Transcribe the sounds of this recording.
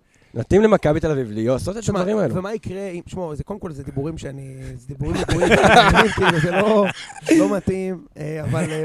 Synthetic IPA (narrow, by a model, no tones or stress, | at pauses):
nat̪imlemakabit̪elavivlijosot̪et̪aavaʁimaeluvemaikʁeimʃmozekolemko̞lzed̪ibuʁimʃeanized̪ibuʁimdiuʁitimkiluzelo̞zlo̞mat̪imeaval